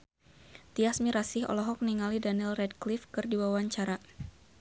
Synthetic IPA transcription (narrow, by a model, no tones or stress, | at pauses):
t̪iasmiɾasɪhɔ̰lɔɦɔk̚niŋalidanilrɛd̚klifkɨrdiwawaɲt͡ʃaɾa